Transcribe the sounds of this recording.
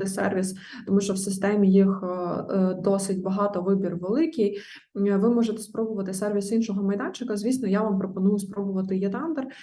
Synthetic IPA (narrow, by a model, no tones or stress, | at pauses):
t̪ɪsɛ̰rʋʲis | t̪ɔmuʃt͡ʃɔwsɪst̪ɛmʲijix | d̪ɔsɪt̚ʲbɐɦɑt̪ɔʋɪbʲirʋelˠɪkʲij | ʋɪmɔʒet̪ɛ̥spɾɔbʊʋɐt̪ɪsɛrʋʲisinʃɔɦɔmɐjd̪ɑnʲt͡ʃɪkɐzʲisnɔjaʋampɾɔpɔnujʊspɾɔbʊʋɐt̪ɪjɛt̪ɑnd̪ɛr